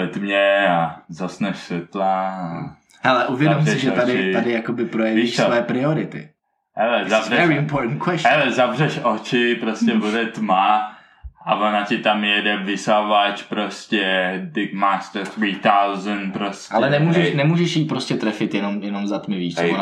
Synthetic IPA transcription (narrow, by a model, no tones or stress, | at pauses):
ɛt̪mɲɛazasnɛʃsɛt̪laa | hɛlɛʔuvjɛdomsɪʒɛt̪adɪadɪjakobɪpɾojɛviiʃsvɛjɛpɾɪoɾɪt̪ɪ̰ | hɛlɛzabrɛɛɾɪɪmpoɾtn̩kwɛshɛlɛzabrɛʃot͡ʃɪpɾoscɛbudɛt̪ma | avonacɪt̪amjɛdɛvɪsavat͡ʃpɾoscɛd̪ɪkmaːst̪əɾθɾiːt̪awzənpɾosʔalɛɛnɛmuːʒɛʃnɛmuːʒɛʃjipɾoscɛt̪ɾɛfɪt̪jɛno̞mjɛno̞mzat̪mɪviːʃt͡son